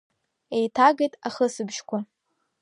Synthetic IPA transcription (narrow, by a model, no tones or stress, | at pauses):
ejtʰaɡejtʼaχəsɨbʃkʷʰa